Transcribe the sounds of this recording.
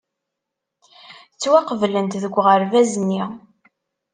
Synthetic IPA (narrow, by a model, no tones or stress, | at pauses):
t͡sːwæqəvlənt̪ðəɡʷːʁəɾvæzənːi